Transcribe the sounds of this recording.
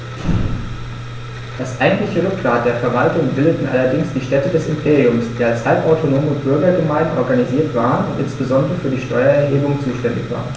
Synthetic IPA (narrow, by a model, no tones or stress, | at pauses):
d̥asʔaɪɡŋ̩tlɪçəʁʏkfaːt̚d̥eːɐfɛɐvaltʊŋbɪldətn̩ʔa̰lɐdɪŋsd̥iːʃtɛtədɛsɪmpʰeːʁiʊmsd̥iːalshalpʔaʊtʰonoːməbʏɐɡɐɡəmaɪdn̩ʔɔɐɡaniziːɐtv̥aːʁənʊntʔɪnsb̥əzɔndəʁəfyːɐdiːʃtɔʏɐɛɐɦeːbʊŋt͡suːʃtɛndɪ̰çv̥a̰ːɐʁən